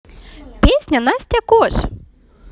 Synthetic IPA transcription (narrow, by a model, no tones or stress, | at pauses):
pʲesʲnʲɐnɑsʲt̪ʲɐkɔʒ